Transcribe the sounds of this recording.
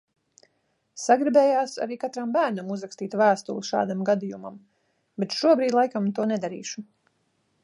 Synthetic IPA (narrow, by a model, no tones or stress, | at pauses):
saɡɾibɛːjaːsa̰ɾiːkat̪ɾambæːɾnamuzɾakst̪iːt̪væːst̪ulˠuʃa̰ːd̪amɡad̪ijuma̰m | bet̪ʃuɔbɾiːd̪ʲlˠajkamt̪uɔnɛd̪aɾḭːʃu